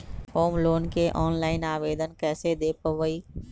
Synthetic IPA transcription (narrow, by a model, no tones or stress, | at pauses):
hoːmloːnkeːʔɔːnlaːɪnaːʋeːd̪ənkɛːsed̪eːpəʋəiː